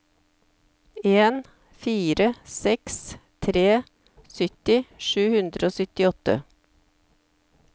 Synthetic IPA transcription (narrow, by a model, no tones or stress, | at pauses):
eːn | fiːɾəsɛkst̪ʰɾeː | sʏt̪ɪʃʉːhʉnd̪ɾəoːsʏt̪ɪɔt̪ə̰